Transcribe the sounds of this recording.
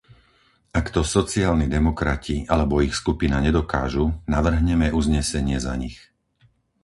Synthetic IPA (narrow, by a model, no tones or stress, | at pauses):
akt̪ɔsɔt͡siaːlnid̪ɛmɔkɾacialɛbɔixskupinaɲɛd̪ɔkaːʒunaʋr̩ɦɲɛmɛuzɲɛsɛɲɪɛza̰ɲix